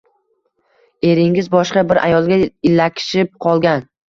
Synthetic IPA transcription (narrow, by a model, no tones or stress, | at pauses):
e̞ɾɪŋɪzbɒʃqɑbɪɾʔa̰jɒlˠɡʲaɪlːakʲʰɪ̥ʃɪp̚qʰɒlˠɡʲan